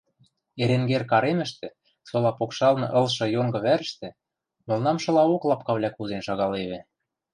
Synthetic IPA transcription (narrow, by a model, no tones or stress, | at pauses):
eɾeŋɡerkɑɾemɘ̆ʃt̪ĕ | solɑpokʃɑlnɤ̆ʔɤ̆lʃɤ̆joŋɡɤ̆βæɾə̆ʃt̪ɘ̆ | mɤ̆lnɑmʃɤ̆lɑoklˠɑp̚kɑβlʲækuzenʃɑɣɑleβĕ